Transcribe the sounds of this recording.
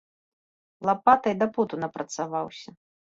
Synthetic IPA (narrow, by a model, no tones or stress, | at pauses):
lˠapat̪ɐjd̪aput̪unɐpɾɐt̪savawsʲɐ